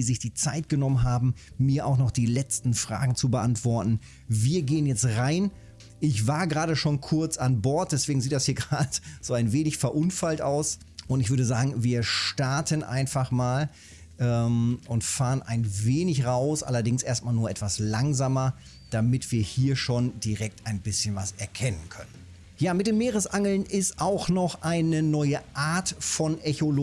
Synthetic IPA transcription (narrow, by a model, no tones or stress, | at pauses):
diːzɪçd̥iːt͡saɪtɡ̥ənɔmənɦaːbm̩ːiːɐʔaʊxnɔχd̥iːlɛt͡stn̩fʁ̥a̰ːɡŋ̩t͡subəʔantv̥ɔɐtn̩ | viːɐɡeːənjɛt͡stʁaɪn | ʔɪçv̥aːɐɡʁaːɾəʃoːnkʰʊɐt͡sanbɔɐt̚d̥ɛsv̥eːɡŋ̩ziːtd̥ashiːɐɡʁaːdəz̥oːaɪnveːnɪçfɛɐʔʊnfaltʔa̰ʊs | ʔʊntɪçv̥ʏɐdəzaːɡŋ̩viːɐʃtaɐtʰənʔa̰ɪnfaχmaːl | ʔɛːmʊntfaːʁənʔa̰ɪnveːnɪçʁaʊsʔa̰lɐdɪŋsʔeːɐstmaːlnuːɐʔɛtv̥aslaŋzaːmɐ | d̥amɪtv̥iːɐhiːɐʃoːndiʁɛk̚taɪnbɪsçənvasɛɐkʰɛnənkʰœnən | jaːmɪt̚d̥eːmːeːʁəsʔaŋl̩nɪstʔaʊxnɔχʔaɪnənɔʏəʔaːɐtfɔnʔɛçol